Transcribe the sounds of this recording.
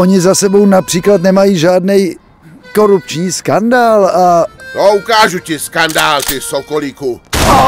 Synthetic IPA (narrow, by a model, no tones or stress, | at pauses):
oɲɪzasɛbo̞wnapr̥iːklat̪nɛmajiːʒaːdnɛj | ko̞ɾupt͡ʃɲiːskandaːlat̪oukaːʒucɪskandaːlt̪ɪsokoliku